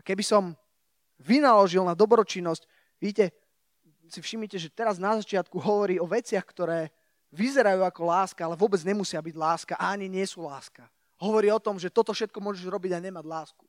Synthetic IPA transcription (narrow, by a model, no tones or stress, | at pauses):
kɛbisɔm | ʋinalɔʒilnad̪ɔbɾɔt͡ʃinːɔsc | ʋiːcɛ | sifʃimɲicɛʒɛt̪ɛɾaznazat͡ʃɪat̪kuɦɔʋɔɾiːɔʋɛt͡sɪaxkt̪ɔɾɛː | ʋizɛɾajuːakɔlaːskaalɛʋʊɔbɛd͡zɲɛmusɪabiɟlaːskaʔaaɲiɲɪɛsuːlaːska | ɦɔʋɔɾiːɔt̪ɔmʒɛt̪ɔt̪ɔfʃɛt̪̚kɔmʊɔʒɛʒɾɔbiɟaɲɛmaɟlaːsku̥